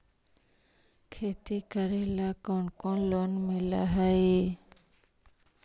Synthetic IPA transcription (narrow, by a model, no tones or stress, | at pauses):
kʰeːt̪iːkəɾeːlaːkoɳkõːnloːnmɪla̰ːɦae